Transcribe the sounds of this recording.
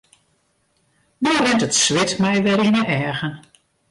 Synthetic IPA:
dɔrɛntətsʋɪtmɛjʋɛɾinəɛːɣən

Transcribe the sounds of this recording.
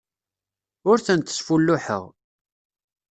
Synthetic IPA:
ʊɾθənt̪ːə̥sfulːʊħə̰ʁ

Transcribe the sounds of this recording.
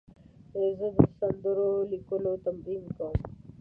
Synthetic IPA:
ezed̪isɐnd̪əɾolikolot̪ɐmɾiːmkom

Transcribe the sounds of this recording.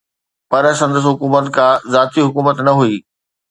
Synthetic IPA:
pɐɾsɐ̃nd̪əs̬ɦʊkuːmət̪kãːzaːt̪iɦʊkuːmət̪nɐɦuiː

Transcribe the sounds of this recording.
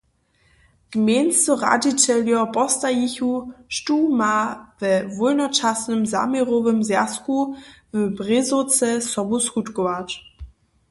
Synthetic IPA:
ɡ̥mensɔʁa̰dit͡sɛljɔpɔstajiçuʃtuːmavɛvʊlnɔt͡ʃasnəmza̰meʁovəmzjaskuvəbʁɪzot͡sɛsɔbuskutɡɔvat

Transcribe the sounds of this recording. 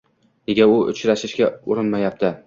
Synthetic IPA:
neɡʲaʊʔʊ̰t͡ʃɾaʃɪʃɡʲaʊɾɪnmajap̚t̪ʰɪ

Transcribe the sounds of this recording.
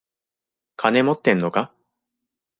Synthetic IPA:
kʰane̞mo̞t̪ːẽ̞nːo̞ka

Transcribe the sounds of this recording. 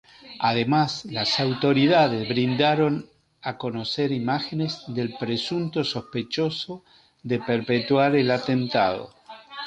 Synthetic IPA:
aðemaslasawt̪o̞ɾiðaðezβɾind̪aɾo̞n | ako̞noseɾimaxenezðe̞lpɾesunt̪oso̞spet͡ʃoso̞ | ðepeɾpet̪waɾelat̪ent̪a̰ðo̰

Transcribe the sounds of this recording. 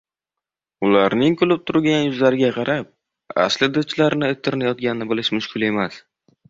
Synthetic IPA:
ʊlaɾnɪŋkʰʊlɪp̚t̪ʰʊɾɡʲanjʊzlaɾɪɡʲaqʰɑɾap̚ | a̰slɪd̪ʊt͡ʃʰlaɾnɪɪt̪ʰːɪɾɪnajɒt̪̚ɡʲanɪnɪbɪlɪʃmʊʃkʰʲʊlˠe̞mas

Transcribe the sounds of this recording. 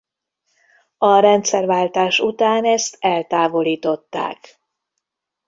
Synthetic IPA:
ɒɾɛnt̪sɛrvaːlt̪aːʃut̪aːnɛst̪ɛlt̪aːvo̞liːt̪o̞t̪ːa̰ːk

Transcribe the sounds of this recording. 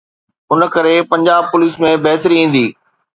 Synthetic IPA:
ʊnkɐɾepɐ̃ɲd͡ʑaːb̚pʊliːsmẽbɐɦt̪ɾiĩːn̆d̪iː

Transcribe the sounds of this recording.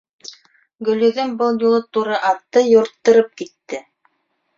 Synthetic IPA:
ɡɵ̆lɵ̆ðɵŋbɤlˠjulˠɤt̪uɾɤʔɑt̪ːɤjŏɾt̪ːɤ̆ɾɤp̚kit̪ːɘ

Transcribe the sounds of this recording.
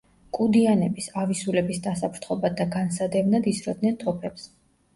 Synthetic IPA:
kʼud̪ianɛbisavisulɛbisd̪asapʰɾt̪ʰχɔbad̪aɡansad̪ɛvnad̪isɾɔd̪nɛnt̪ʰɔpʰɛps

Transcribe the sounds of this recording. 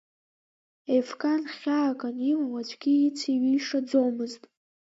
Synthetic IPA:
efkʼanχʲaːkʼanimawat͡ʃʷʰʼɡʲit͡sʰiɥiʂad͡zomɨztʼ

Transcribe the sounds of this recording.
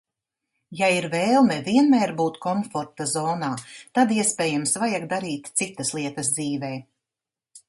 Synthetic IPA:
jaiɾveːlˠnɛviɛnmɛːɾbuːt̪kɔɱfɔɾt̪azɔːnaːt̪ad̪iɛspeːjamsvajaɡ̚d̪aɾiːt̪t̪sit̪ɐslˠiɛt̪ɐzd̪ziːvɛː

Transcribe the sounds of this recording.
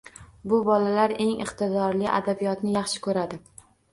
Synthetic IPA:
bʊbɒlalaɾe̞ŋɪ̰qt̪ɪd̪ɒɾlɪʔa̰d̪abijɒt̪nɪjɑχʃɪ̥kʰɵɾad̪ɪ

